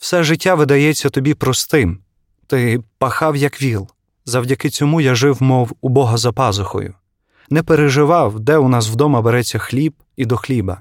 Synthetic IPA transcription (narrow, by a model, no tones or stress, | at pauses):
w̥sɛʒɪtʲːaʋɪd̪ɐjɛt͡sʲːɐt̪ɔbʲipɾɔst̪ɪm | t̪ɪpɐxɑwjɐkʋʲilˠ | zɐwdʲɐkɪt͡sʲɔmujaʒɪwmɔwʊbɔɦɐzɐpɑzʊxɔ̰jʊ̰ | nɛpeɾeʒɪʋɑwd̪ɛʊnɑs̬wd̪ɔmɐbeɾɛt͡sʲːɐxlʲib̚ | id̪ɔxlʲibɐ